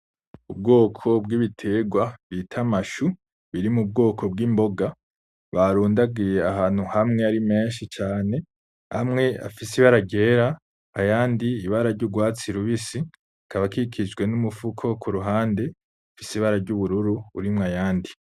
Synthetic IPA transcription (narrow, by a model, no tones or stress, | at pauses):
ubɡo̞ːkʰo̞bɡiβitʰe̞ɡwaβitʰamaʃu | βiɾimub̚ɡo̞ːkʰo̞b̚ɡiːmbo̞ɡa | βaɾuːndaɡijeaɦaːn̥huhamŋe̞aɾime̞ːnʃit͡ʃaːne̞ | hamŋe̞a̰fisiβaɾaɟe̞ːɾa | ajaːndiiβaɾaɾɟuɡwaːt͡siɾuβisi | kʰaβakikʰid͡ʒɡwe̞numufukʰo̞kʰuɾuɦaːnde̞ | fisiβaɾaɾɟuβuɾuɾuuɾimŋajaːndi